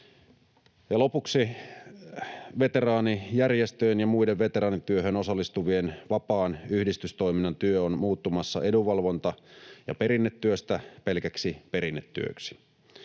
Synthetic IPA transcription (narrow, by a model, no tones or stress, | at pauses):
jɑlo̞puksi | ʋe̞t̪e̞rɑːnijærjest̪øjenjɑmuideʋʋe̞t̪eɾɑːnit̪yøɦøno̞sɑlːist̪uʋie̞nʋɑpɑːnyhdist̪yst̪o̞ijminːɑnt̪yøonmuːt̪ːumɑsːɑ̰e̞duʋɑlʋo̞nt̪ɑjɑ̰pe̞ɾinːet̪ːyøst̪æpe̞lkæksipe̞ɾinːet̪ːy̰ø̰ksi̥